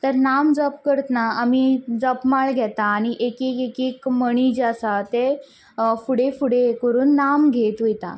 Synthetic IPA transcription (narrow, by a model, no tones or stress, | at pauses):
t̪əɾnamd͡zɔpkəɾt̪naamid͡zɔpmaɭɡʱɛt̪aːɽ̃iʔekikekikməɽ̃id͡ʑasat̪e | fuɽefuɽekəɾuːnːamɡʱet̪ʋujt̪a̰